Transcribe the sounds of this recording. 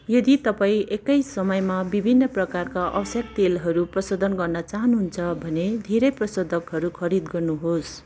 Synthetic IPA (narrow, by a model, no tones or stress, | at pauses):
jʌd̪it̪ʌpaĩʔekʌjsʌmʌjmabibʱinːʌprʌkarkaʔʌbʌsjʌk̚t̪elɦʌɾuprʌsod̪ʱʌnɡʌrnʌt͡saɦʌnɦunt͡sʰʌbʱʌned̪ʱeɾʌjprʌsod̪ʱʌkɦʌɾukʰʌɾid̪ɡʌrnuɦos